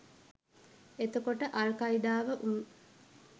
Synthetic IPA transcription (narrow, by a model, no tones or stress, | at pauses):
et̪okoʈəʔalkaid̪aːʋəʔu